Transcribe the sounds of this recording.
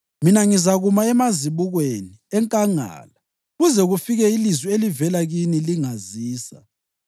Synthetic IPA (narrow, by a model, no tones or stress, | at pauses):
minaŋizaɣumaɛmaziβuɣweniɛŋkʼaŋa̰ːla | ɣuzɛɣufiɣɛilizwielivɛlaɣiniliŋaziːsa̰